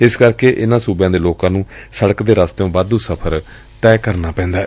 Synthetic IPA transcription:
ɪskəɾkeːʔɪnãːsuːbjãːd̪eːloːkãːnũːsəɽəkd̪eːɾaːst̪eõːbad̪ũːsəpʰəɾ | t̪ɛːkəɾnaːpɛ̃ːnd̪aː

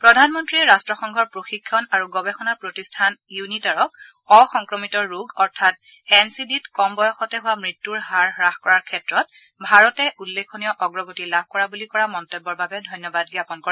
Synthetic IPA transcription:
pɹɔdʱanmɔntɹiɛɹastɹɔxɔŋɡʱɔɹpɹoxikʰːɔnaɹuɡɔbɛxɔnaɹpɹotistʰanjunitaɹɔk̚ | ɔxɔŋkɹɔmitɔɹuɡɔɹtʰat̚ | hɛnsiditkɔmbɔjɔxɔtɛɦʊwamɹitːuɹɦaɹɹaxkɔɹaɹkʰɛtɹɔt̚ | bʱaɹɔtɛʔulːekʰːonijɔʔɔɡɹɔɡotilab̚ʱkɔɹabulikɔɹamɔntɔbːɔɹbabɛdʱɔjnjɔbadɡiapɔnkɔa

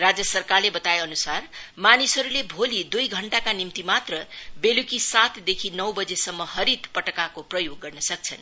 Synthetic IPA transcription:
rad͡zjʌsʌrkarlebʌt̪ajeʌnusarmanisɦʌɾulebʱolid̪ujɡʱʌɳʈakanimt̪imat̪rʌbelukisat̪ʰd̪ekʰinʌwbʌd͡zesʌmːʌɦʌɾit̪pʌʈʌkakoprʌjoɡːʌrnʌsʌk̚t͡sʰʌn

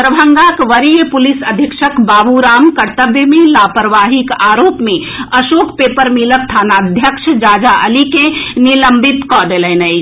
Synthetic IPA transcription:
p̪ɾəbʱəŋɡakʋəɾijəpulisəd̪ʱjəkʃəkbaːbuɾaːmkəɾt̪əbjəmelapəɾʋaɦikaɾoːpme | əʃokpepəɾmilək̚t̪ʰanad̪ʱjəkʃʰd͡ʒaːd͡ʒaʔəlikeniləmbit̪kɔd̪elɛnə

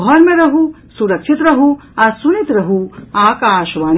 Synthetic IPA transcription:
ɦɐnmẽɾɐɦu | suɾɐkʃʰit̪ɾɐɦu | asunit̪ɾɐɦuaːkaːʃʋaːn

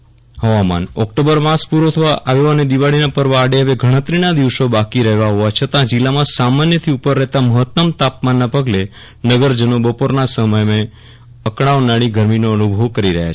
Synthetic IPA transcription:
ɦəʋama̰nɔk̚ʈobəɾʋãspuɾot̪ʰəʋaʔaʋjoəned̪iʋaɭinapəɾʋaːɖeɦəʋeɡʱəɽ̃ət̪ɾinad̪iʋsobakiɾəɦʋaɦoʋat͡ʃʰət̪ãd͡ʒilːamãsamanjət̪ʰiupəɾːɛɦt̪aməɦət̪ːəmt̪ap̚manːapəɡle | nəɡəɾd͡ʒənobəpoɾnasəməjme | əkɽ̃aʋnaɭ̃iɡʱəɾminoənubʱoʋkəɾiɾəɦja̰t͡ʃʰe

